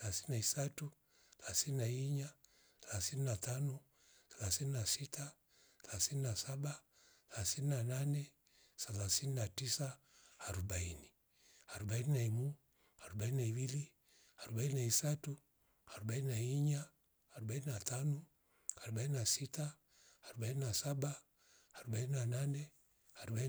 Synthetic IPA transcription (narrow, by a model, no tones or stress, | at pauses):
ɛlasininaisatu | θlasininaiɲa | θɛlasininatano | θɛlasininasitʰa | θɛlasininasaɓa | θɛlasininananɛ | sɛlasininatisaː | ɾubaini | aɾubaininaimu | aɾubaininaiwili | aɾubaininaisatu | aɾubaininaiɲa | aɾubaininatano | aɾubaininasitaː | ɾubaininasabaː | ɾubaininananɛ | aɾuba